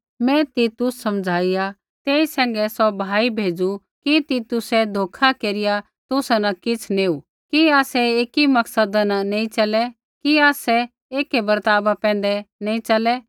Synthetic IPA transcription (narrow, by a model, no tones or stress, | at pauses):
mɛ̃t̪it̪ʊsːɐmd͡zʱaːija | t̪eːisɛ̃ːŋɡɛsɔbʱaːibʱeːd͡zu | kit̪it̪ʊsɛd̪ʱoːkʰakeːɾɪja | t̪ʊsnɐkɪt͡sʰneːu | kiaːsɛeːkimɐksəd̪nanẽːĩt͡ʃɐlɛ | kiaːsɛ | eːkebɐɾt̪aːbapɛ̃ːn̆d̪ɛnẽĩt͡ʃɐlɛ